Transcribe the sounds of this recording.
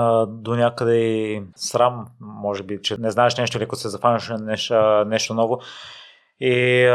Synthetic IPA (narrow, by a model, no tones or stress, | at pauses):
d̪onʲakəd̪ɛisɾamːɔʒɛbit͡ʃɛnɛznaɛʃnɛʃt̪oilikt̪osɛzɐfanʲəʃnɛʃnɛʃt̪onɔvo | i